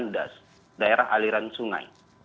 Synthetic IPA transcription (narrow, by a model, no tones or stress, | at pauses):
nda̰s | daeɾaɦaliɾansuŋa̰j